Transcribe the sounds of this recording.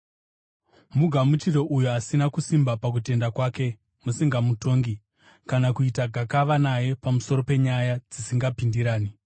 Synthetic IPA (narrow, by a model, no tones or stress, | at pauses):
muɡʱamut͡ʃiro̞ʔujuasinakusimbapak̬ute̞ndakwaːke̞ | musiŋɡamuto̞ŋɡi | kanakuitaɡʱakaʋanaje̞pamuso̞ɾo̞pe̞ɲajad͡zisiŋɡapindiɾaːni